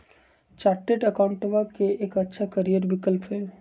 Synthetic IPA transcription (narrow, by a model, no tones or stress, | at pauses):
t͡ʃaːɾʈeʈɐkaʊ̃ɳʈəʋaːbkeeːkɐtːʃʰakəɾijəɾbɪkəlpɦɛː